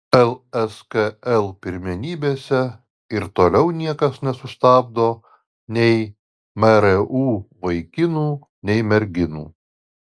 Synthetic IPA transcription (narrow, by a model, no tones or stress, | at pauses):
ɛlˠɛskɐɛlˠpʲɪɾʲmʲɛnʲiːbʲeːsʲɛ | ɪɾt̪oːlʲɛʊnʲiɛkɐsnʲɛsʊst̪ɑːb̚d̪oː | nʲɛɪ | mʲɛɾɛʔuːʋɐɪkʲɪnuː | nʲɛɪmʲɛɾʲɡʲɪnṵː